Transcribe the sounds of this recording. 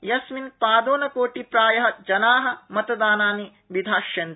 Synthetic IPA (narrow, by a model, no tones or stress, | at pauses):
jɐsminpaːd̪oːnɐkoːʈipɾaːjɐɦɐ̆d͡ʒɐnaːɦɐ̆mɐt̪ɐd̪aːnaːni | ʋid̪ʱaːʃjɐnt̪i